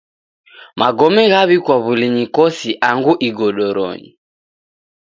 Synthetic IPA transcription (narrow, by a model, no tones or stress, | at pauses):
mʔaɡɔmɛɣaβikwaβuliɲikɔsiʔaŋɡuʔiɡɔɗɔɾɔ̰ɲḭ